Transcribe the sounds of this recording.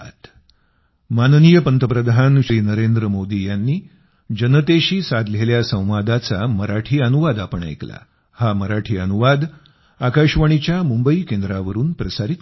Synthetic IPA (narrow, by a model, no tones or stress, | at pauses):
t̪ | mannijəpənt̪əpɾəd̪ʱanɕiːnəɾend̪ɾəmod̪ijanːiː | d͡ʑənət̪eɕiːsad̪leljasə̃w̃ʋad̪at͡saməɾaʈʰiːənuʋad̪apəɳa̰jkla̰ | haməɾaʈʰiːənuʋad̪ | akaɕʋəɳ̃it͡ɕjamumbəikend̪ɾaʋəɾuːnpɾəsaɾit̪